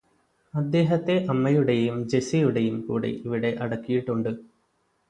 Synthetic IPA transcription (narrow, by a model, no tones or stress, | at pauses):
ɐd̪ːe̞ːɦɐt̪ːe̞ʔɐmːɐjuɽe̞jumd͡ʑe̞sijuɽe̞jumkṵːɽḛʔiʋiɽe̞ʔɐɽɐkːijiʈːuɳɖɨ